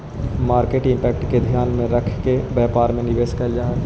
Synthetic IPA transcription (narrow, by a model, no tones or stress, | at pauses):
maːɾkeːʈɪ̃mpɛːkʈked̪ʱijaːnmẽɾəkʰkebɛːpaːɾmẽnɪʋeːʃkəld͡ʒaːɦ